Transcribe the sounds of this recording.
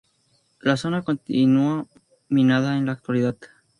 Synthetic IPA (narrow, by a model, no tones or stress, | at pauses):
laso̞nako̞nt̪inua | minaðaenlaːk̚t̪waliðað